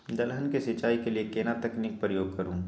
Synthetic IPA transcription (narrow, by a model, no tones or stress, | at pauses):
d̪ɐlɦənkesɪt͡ʃaːikeliekeːnat̪ɐkniːk̚pɾəjoːɡ̚kɐɾũː